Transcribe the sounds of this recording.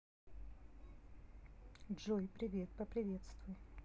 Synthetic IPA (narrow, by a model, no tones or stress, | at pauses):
dʐojpɾʲɪvʲe̞t̪̚pəpɾʲɪvʲe̞t̪st̪vʊj